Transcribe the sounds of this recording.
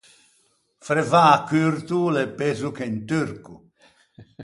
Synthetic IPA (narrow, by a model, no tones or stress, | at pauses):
fɾɛvaːkːyɾt̪ulepezukent̪yɾku